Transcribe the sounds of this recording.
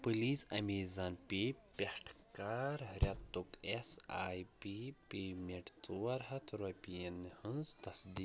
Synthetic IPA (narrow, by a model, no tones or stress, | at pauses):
pɨliːsɐmiːzaːnpipʲehʈʰkaːɾɾʲɐt̪ːukesaːjpipeːmʲeɳʈt͡suwɐɾɦɐt̪ʰɾopijenhɨnzt̪ɐsd̪iː